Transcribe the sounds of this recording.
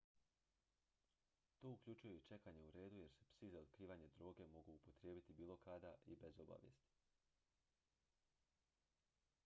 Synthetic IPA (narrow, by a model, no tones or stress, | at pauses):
t̪o̞ːukʎʲut͡ʃujeit͡ʃe̞kaɲe̞uɾe̞ːd̪uje̞ɾsepsizaod̪̥̚kɾiːʋaɲe̞d̪ɾo̞ːɡe̞mo̞ɡuupot̪ɾje̞ːbit̪ibiːlˠo̞kad̪aʔibe̞zo̞ba̰ʋjest̪i̥